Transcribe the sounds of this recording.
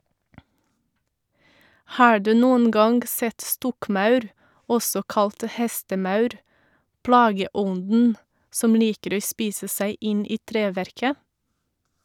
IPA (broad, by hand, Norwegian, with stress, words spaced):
ˈhɑː ˈɖʉː ˈnuːən ˈɡɑŋɡ ˈsɛt ˈstɔkˌmɑʉɾ ˈɔsɔ ˈkɑlt ˈhɛstəˌmɑʉɾ ˈplɑːɡəˌɔndn̩ ˈsɔm ˈliːkəɾ ˈoː ˈspiːsə ˈsæɪ ˈɪn ˈiː ˈtɾeːˌʋæɾkə